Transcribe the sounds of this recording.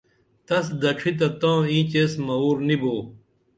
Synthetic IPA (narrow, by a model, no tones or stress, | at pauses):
t̪ɐsd̪ɐʈ͡ʂʰit̪ɐt̪ãːĩːt͡ɕeːsmɐuːɾniboː